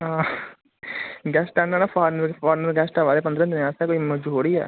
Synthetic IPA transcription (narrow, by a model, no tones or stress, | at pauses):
ɦãː | ɡɛːsʈanãnaːpʰaːɾnəɾpaːɾnəɾɡɛːsʈaːʋaːleːpə̃nd̪ɾə̃d̪ɪnaːsaːkoːiməd͡ʒoːɽiːɛ̰ː